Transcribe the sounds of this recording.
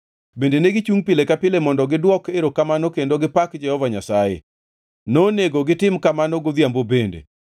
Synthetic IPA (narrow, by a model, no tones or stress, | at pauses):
bendeneɡɪt͡ʃuŋpɪlekapɪlemɔndɔɡɪdwɔkeɾokamanokendoɡɪpakd͡ʒɛhɔvaɲasajḛ | noneɡoɡɪtɪmkamanoɡoðjambobendḛ